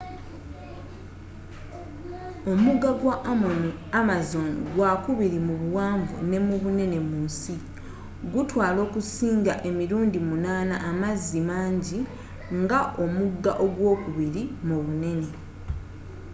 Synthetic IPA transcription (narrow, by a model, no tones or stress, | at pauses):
o̞muɡːaɡwaʔ | amazo̞ŋɡwakuβiɾimuβuwaːɱvṵne̞muβune̞ne̞muːnsi | ɡutwaːlo̞ːkusiːŋɡaʔe̞miɾuːndimunaːnaʔːmazːimaːɲɟi | ŋɡaʔo̞muɡːa̰ʔo̞ɡwoːkuβiɾimuβune̞ne̞